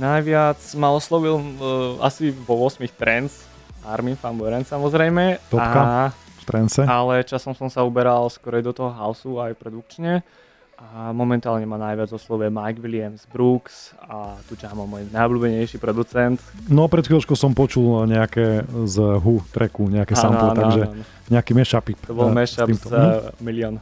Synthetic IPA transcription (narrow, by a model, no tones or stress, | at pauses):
najʋɪat͡smaɔslɔʋila̰siʋɔʋʊɔsmixt̪ɾɛnt͡s | aɾminfambɔɾɛnsamɔzɾɛjmɛt̪ɔaɦkaft̪ɾɛnsɛalɛt͡ʃasɔmsɔmsaubɛɾalskɔɾɛjd̪ɔt̪ɔɦɔɦaʊsuajpɾɛd̪uk̚t͡ʃɲɛ | amɔmɛnt̪aːlɲɛmanajʋɪad͡zɔslɔʊjɛmajɡʋilɪamzbɾuksat̪ut͡ʃamɔmɔjnajɔblʲuːbɛɲɛjʃipɾɔd̪ut͡sɛnt̪nɔpɾɛt̪filɔt͡ʃkɔʊsɔmpɔt͡ʃulɲɛakɛzɦut̪ɾɛkuɲɛakɛaanɔant̪aɡʒɛanɔ | ɲɛakimɛʃapipt̪ɔbɔlmɛʃazmilɪɔn